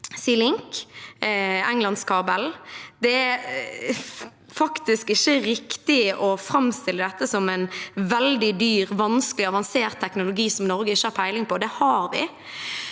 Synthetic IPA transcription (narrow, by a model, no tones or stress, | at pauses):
siːlɪŋk | ɛŋlɑnskʰɑbɛld̪ɛæ | fɑkt̪ɪskɪçːəɾɪkt̪ɪʔɔfɾɑmst̪ɪlːəd̪ɛt̪ːəsɔmɛɪnʋɛld̪ɪd̪yːʁʋɑnskəlɪɑʋɑnseːʁt̪ʰːɛknʊlʊɡiːsɔmnɔɾɡəɪçːəhɑɾpʰæɪlɪŋpʰɔːd̪ɛhɑɾʋɪ̰